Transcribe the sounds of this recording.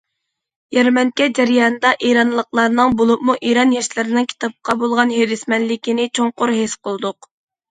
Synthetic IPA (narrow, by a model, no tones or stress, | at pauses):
jɛɾmɛnkʲɛd͡ʒæɾjɑnɨd̪ɑʔeɾɑnlˠəqlˠɑɾnɨŋbolˠupmuʔiɾɑnjɛʃlɪɾɪnɪŋkʲʰi̥t̪ʰɑp̚qɑbolˠʁɑnɦeɾɪsmɛnlɪkʲinɪt͡ʃʰoŋqʊɾɦesqəlˠd̪ʊq